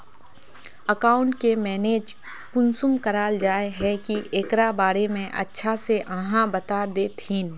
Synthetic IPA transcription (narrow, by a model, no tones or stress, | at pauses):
əkaːʊ̃ɳʈkemɛːneːd͡ʒ | pʊnsʊmkəɾaːld͡ʒaːeɦɛkiʔeːkɾabaːɾemẽʔɐ̰tːʃʰaseʔəɦãbɐt̪ad̪eːt̪ʰĩːn